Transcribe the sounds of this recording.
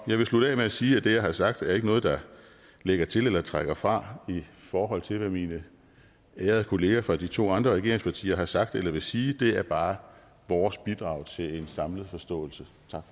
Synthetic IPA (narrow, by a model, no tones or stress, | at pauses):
jɑ̈ɪʋe̝slud̥ɛ̰ɪmeæsiːæd̥e̝jɑ̈ɪhɑ̈sɑ̈ɡ̥̚d̥æɐe̝ɡ̥ənɔ̽ːð̞̩ˠd̥ɑ̈ | leɡ̥ɐt͡sʰe̝lelɐt͡sʰʁaɡ̥ɐfʁɑ̈ifɒːɦɒ̽l̰t͡sʰe̝lʋæminə | æːɐð̞̩ˠəkʰo̝le̝ːæfʁɑ̈d̥it͡sʰo̝̰ːɑ̈nd̥ʁɐʁɛɡe̝ɐeŋspʰɑ̈t͡sʰḭːɐɦɑ̈sɑ̈ɡ̥̚d̥elɐʋe̝siːd̥e̝æɐb̥ɑ̈ː | ʋɒːsb̥id̥ʁɑ̈ʊt͡sʰe̝le̝nsɑ̈mlð̞̩ˠfɒ̽sd̥ɔ̰̽ːl̩sə | t͡sʰɑ̈ɡ̥